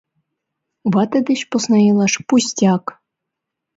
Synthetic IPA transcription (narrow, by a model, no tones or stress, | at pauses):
βɑt̪ɤ̆d̪ʲɘ̆ɕpŏsnɑjɤlˠɑʂpusʲtʲɑk